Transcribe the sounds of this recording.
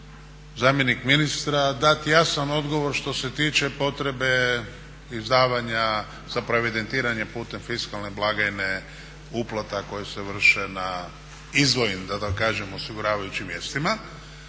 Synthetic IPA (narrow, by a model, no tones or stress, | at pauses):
zaːmjenikminist̪ɾad̪at̪jasano̞d̪ɡo̞ʋo̞ɾʃt̪o̞se̞t̪iːt͡ʃe̞po̞t̪ɾe̞be̞ | izd̪aːʋaɲa | z̥apɾoeʋid̪e̞nt̪iːɾaɲepuːt̪e̞mfiskalneblˠaɡaine | uplˠat̪ako̞jeseʋr̩ʃena | izʋo̞jimd̪at̪akkːaːʒemosiɡuɾaːʋajut͡ɕimʋje̞ːst̪ima